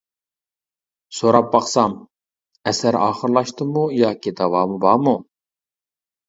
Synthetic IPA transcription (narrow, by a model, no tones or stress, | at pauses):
soɾɑp̚bɑχsɑm | ɛsæɾɑ̰ːχəɾlˠɑʃt̪ɨmujɑːkʲʰid̪ɑwɑːmubɑːmu